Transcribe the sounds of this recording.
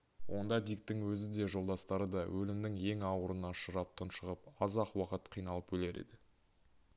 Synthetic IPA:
wʔo̞̰nd̪ɑd̪ijk̚t̪ɪŋwɵzɪd̪e̞ʒo̞lˠd̪ɑst̪ɑɾəd̪ɑwʔɵlɪmd̪ɪŋe̞ŋɑwəɾənɑʃəɾɑp̚t̪ʰənʃəʁəpɑzɑqwɑqət̪qʰijnɑlˠəp̚ɵle̞ɾe̞̰d̪ɪ

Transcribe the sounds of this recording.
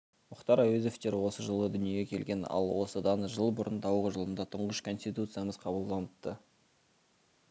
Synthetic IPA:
mʊqt̪ɑɾɑjeze̞ft̪e̞ɾwo̞səʒəlˠəd̪ʏnijekʲʰe̞lɡʲe̞nɑ̰lˠwo̞səd̪ɑnʒəlˠbʊɾənd̪ɑwʁəʒəlˠənd̪ɑt̪ʰʊɴʁəʃkʰo̞nsʲt̪ʲit̪ut̪sɨjaməzqʰɑbəlˠd̪ɑnət̪t̪ːə

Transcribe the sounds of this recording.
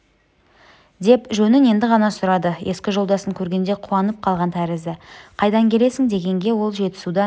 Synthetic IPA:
d̪e̞pʒɵnɪne̞nd̪ɪʁɑnɑsʊɾɑd̪əje̞skʲɪʒo̞lˠd̪ɑsəŋkʲʰɵɾɡʲe̞nd̪e̞qʰuɑnəp̚qʰɑlˠʁɑnt̪ʰæɾɪzɪqʰɑjd̪ɑŋkʲʰe̞le̞sɪŋd̪e̞ɡʲe̞ŋɡʲe̞wo̞lˠʒe̞t̪ɪ̥sud̪ɑ

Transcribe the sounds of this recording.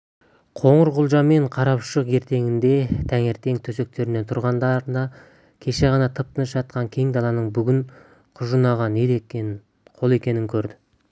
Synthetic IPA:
qʰo̞ɴəɾʁʊlˠʒɑme̞ɴqʰɑɾɑpʃəqe̞ɾt̪e̞ŋɪnd̪e̞t̪ʰæŋe̞ɾt̪e̞ŋt̪ʰɵse̞k̚t̪e̞ɾɪne̞nt̪ʰʊɾʁɑnd̪ɑɾnd̪ɑ | kʲʰe̞ʃe̞ʁɑnɑt̪ʰəp̚t̪ənəsʒɑt̪̚qɑŋkʲʰe̞ŋd̪ɑlˠɑnəɴbʏɡʲɪŋ | qʰʊʒənɑʁɑned̪e | qʰo̞lˠe̞kʲe̞nɪŋkʲʰɵɾd̪ɪ

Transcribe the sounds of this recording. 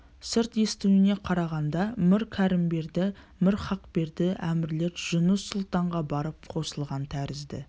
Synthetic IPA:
sɪɾt̪e̞st̪uwɪne̞qʰɑɾɑʁɑnd̪ɑmɪɾkʲʰæɾɪmbe̞ɾd̪ɪ | mɪɾχɑqbe̞ɾd̪ɪʔæmɪɾle̞ɾʒ̥ʊnəsːʊlˠt̪ɑɴʁɑbɑɾəp̚qʰo̞səlˠʁɑnt̪ʰæɾɪzd̪ɪ̰

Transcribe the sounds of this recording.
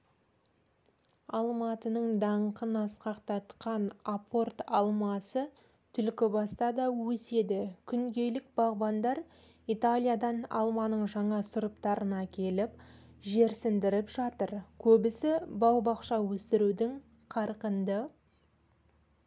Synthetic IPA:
ɑlˠmɑt̪ənəɴd̪ɑɴqənɑsqɑqt̪ɑt̪qɑnapʰo̞rt̪ɑlˠmɑsə | t̪ʰʏlkʲɪbɑst̪ɑd̪ɑwɵse̞d̪ɪkʲʰʏŋɡʲe̞lɪk̚bɑʁbɑnd̪ɑɾ | it̪alʲijad̪ɑnɑ̰lˠmɑnəɴʒɑɴɑsʊɾəpt̪ɑɾənɑkʲʰe̞lɪpʒe̞ɾsɪnd̪ɪɾɪpʒɑt̪əɾkʲʰɵbɪsɪbɑw̪ˠbɑqʃɑwɵst̪ɪɾud̪ɪŋ | qʰɑɾqənd̪ə

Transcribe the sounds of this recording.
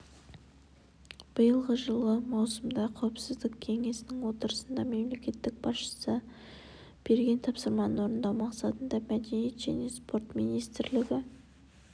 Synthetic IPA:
b̥əjəlˠʁəʒəlˠəmɑwsəmd̪ɑqʰɑwəpsɪzd̪ɪkkʲʰe̞ŋe̞sɪnɪŋwo̞t̪əɾəsənd̪ɑme̞mle̞kʲe̞t̪ːɪk̚bɑsʃə̥sə | b̥e̞ɾɡʲe̞nt̪ʰɑpsəɾmɑnənwo̞ɾənd̪ɑwmɑqsɑt̪ənd̪ɑmæd̪e̞nije̞t̪ʒ̥æ̰ne̞spo̞ɾt̪mijnijst̪ɪɾlɪɡʲɪ

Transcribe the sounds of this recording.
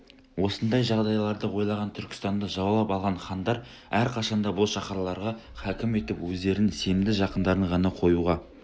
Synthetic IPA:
wo̞sənd̪ɑjʒɑʁd̪ɑjlˠɑɾd̪əwo̞jlˠɑʁɑnt̪ʰʏɾkʲɪ̥st̪ɑnd̪ɑʒɑwɑlˠɑpɑlˠʁɑnχɑnd̪ɑɾ | æɾqʰɑʃɑnd̪ɑbʊlˠʃɑqɑɾlˠɑɾʁɑχækʲɪme̞t̪ɪpwɵzd̪e̞ɾɪnse̞md̪ɪʒɑqənd̪ɑɾəɴʁɑnɑqʰo̞juʁɑ

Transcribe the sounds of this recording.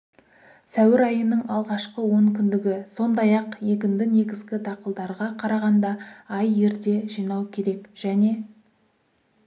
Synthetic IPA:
sæwɪɾɑjənːəɴɑlˠʁɑʃqəwɵŋkʲɪnd̪ɪɡʲɪso̞nd̪ɑjɑqje̞k̬ʲɪnd̪ɪne̞ɡʲɪzɡʲɪd̪ɑqəlˠd̪ɑɾʁɑqʰɑɾɑʁɑnd̪ɑɑje̞ɾd̪e̞ʒijnɑwkʲʰe̞ɾe̞kʒ̥æne̞

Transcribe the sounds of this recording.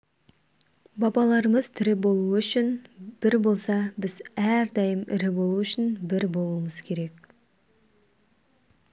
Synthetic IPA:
bɑbɑlˠɑɾəməz̥t̪ʰʏɾɪbo̞lˠuəʏʃɪnb̥ɪɾbo̞lˠsɑbɪzæɾd̪ɑjəmɪ̰ɾɪbo̞lˠuʏʃɪnbɪɾbo̞lˠuəməz̥kʲʰe̞ɾe̞k

